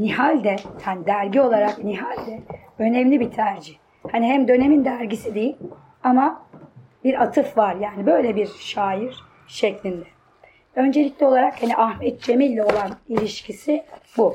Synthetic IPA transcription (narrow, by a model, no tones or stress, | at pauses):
nihalʲd̪ɛhanid̪æɾɟio̞lˠaɾakniɦalʲd̪ɛ | ø̞nɛmlʲibit̪ʰæɾd͡ʒiç | haniɦæmd̪ø̞ne̞mind̪æɾɟisid̪ejilʲ | ama | biɾat̪ʰɯfvaɾjaːnibø̞jlʲɛbiɾʃaːjiɾ̥ | ʃɛclʲind̪ɛ | ø̞nd͡ʒelʲiclʲɛo̞lˠaɾakhaniʔahmɛt̪̚d͡ʒe̞milʲːɛo̞lˠanilʲiʃcʰisibu